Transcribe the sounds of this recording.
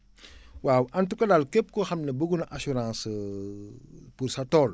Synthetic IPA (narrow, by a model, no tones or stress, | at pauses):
wawʔɐntukɐdalkep̚kɔxɐmnɐbəɡunʔasuɾãːns | puɾsatɔːl